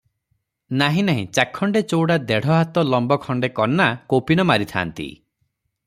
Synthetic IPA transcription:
naɦĩnaɦḭ̃t͡ʃakʰːɔɳɖet͡ʃowɽad̪eɽ̤ɔɦat̪ɔlɔmbɔkʰɔɳɖekɔnːakopinɔmaɾit̪ʰa̰nt̪ḭ

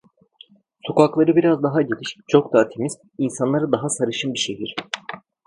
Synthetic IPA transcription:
so̞kaklˠaɾɯbiɾazd̪aɦaɟelʲiʃt͡ʃʰo̞kd̪aːt̪ʰe̞mizm | insanlˠaɾɯd̪aɦasaɾɯʃɯmbiʃejɦiɾ̥

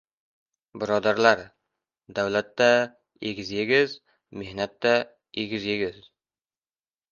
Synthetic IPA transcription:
bɪɾɒd̪aɾlaɾ | d̪awlat̪ːa | eɡʲɪzjeɡʲɪz | me̞hnat̪ːa | eɡʲɪzje̞ɡʲɪz

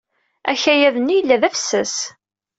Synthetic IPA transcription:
æçæjæðənijəlːæðæfsːæs

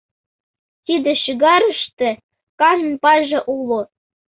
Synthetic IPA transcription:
t̪id̪ĕɕiɣɑɾə̆ʃt̪ĕ | kɑn̆npɑʒĕʔulˠo

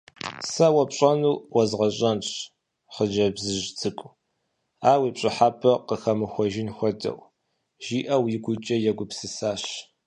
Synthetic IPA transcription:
sɐwɐpɕʼɐnuːwɐzʁɐɕʼɐnɕ | χəd͡ʒɐbzɨʒt͡sʰɨkʷʼ | aːwiːpɕʼɪħaːpʰɐqəxɐmɨxʷɔʒɪnxʷɔdɐ̰w | ʒiːʔɐwiɡʷʊt͡ʃʼɐjɛɡʷʊpsɨsaːɕ

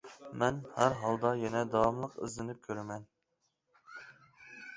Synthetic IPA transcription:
mɛnhæɾɦɑlˠd̪ɑjɛnɛd̪ɑwɑmlˠəqɪ̰zlɪnɪp̚kʲʰøɾɛmɛn

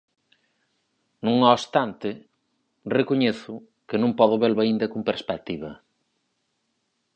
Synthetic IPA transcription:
nũŋost̪ant̪ɪ | rekoɲeθʊ | kɪnũŋpɔðʊβelaind̪ɐkumpeɾspɛk̚t̪iβɐ

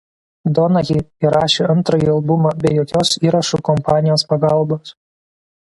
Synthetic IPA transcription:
d̪ɔnɐjʲiiɾɑːʃʲeːɐnt̪ɾoːjiːɐlˠbʊmɑːbʲɛɪjoːkʲoːsiːɾɐʃukɔmpɑːnʲɪjoːspɐɡɑˑlˠboːs

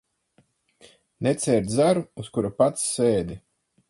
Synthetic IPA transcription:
nɛt̪sɛːɾd̪zaɾuuskuɾapat̪sːeːd̪i

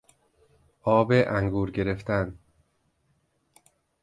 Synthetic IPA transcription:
ʔɒːbeʔæŋɡuːɾɟe̞ɾe̞ft̪æn

